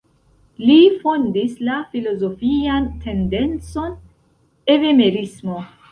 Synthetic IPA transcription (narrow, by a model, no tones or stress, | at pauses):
lifo̞ndislafilo̞zofiantʰe̞nde̞nt͡so̞n | e̞veme̞ɾismo̞